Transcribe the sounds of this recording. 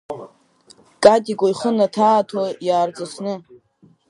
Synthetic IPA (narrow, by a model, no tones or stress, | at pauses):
kʼatʼikʷʼojχənatʰaːtʰojaːrd͡zʼasʰnɨ